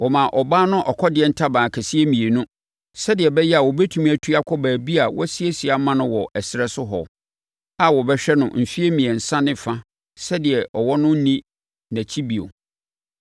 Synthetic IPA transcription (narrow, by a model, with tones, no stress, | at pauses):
wɔ˨mã˨ʔɔ˨baː˦nʊ̃˦ʔɔ˨kʰɔ˦dɪ˨ɛ˨˦n̩˦tʰa˦bãː˨kʰæ˨si˦e˦mĩ˨e˨nũ˦ | sɛ˦dɪ˨ɛ˨bɛ˦jɛ˦a˨wɔ˨bɛ˦tʰu˨mĩ˦æ˨tʰu˦a˦kʰɔ˦bæː˨bi˦a˨wɔ˦si˦e˦si˨a˦mã˦nʊ̃˦wɔ˨ʔɛ˨sɪ˨ɾɛ˦sʊ˦ɦɔ̰˨ | a˦wɔ˨bɛ˦ɕᶣɛ˦nʊ̰̃˨m̩˨fi˦e˦mĩ˨ɛ˨n̩˨sã˦nɪ̃˦˨fã˦ | sɛ˦dɪ˨ɛ˨ʔɔ˨wɔ˦nʊ̃˦n̩˦nĩ˦ | næ̃˨t͡ɕʰi˦bi˨o̰˨